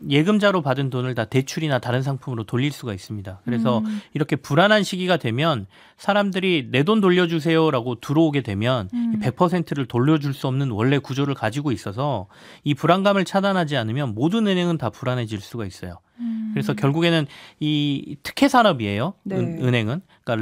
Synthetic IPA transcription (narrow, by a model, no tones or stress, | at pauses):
je̞ɡɯmd͡ʑaɾopadɯntonɯɭtate̞t͡ɕʰuɾinataɾɯnsʰaŋpʰumɯɾotoʎːiɭs͈uɡais͈ɯmɲidakɯɾe̞sʰʌiɾʌkʰe̞puɾanɦanɕʰiɡiɡadwe̞mjʌn | sʰaɾamdɯɾine̞dondoʎːʌd͡ʑus̬ʰe̞joɾaɡotuɾʌoɡe̞dwe̞mjʌnipe̞k̚pʰʌsʰe̞ntʰɯɾɯɭtoʎːʌd͡ʑuɭs͈uʌmnɯnwʌɭːe̞kud͡ʑoɾɯɭkad͡ʑiɡois͈ʌs̬ʰʌ | ipuɾanɡamɯɭt͡ɕʰadanɦad͡ʑianɯmjʌnmodɯnɯnɦe̞ŋɯntapuɾanɦe̞d͡ʑiɭs͈uɡais͈ʌjo | kɯɾe̞sʰʌkjʌɭɡuɡe̞nɯnitʰɯ̥kʰe̞sʰaɾʌbie̞joɯnɦe̞ŋɯn | k͈a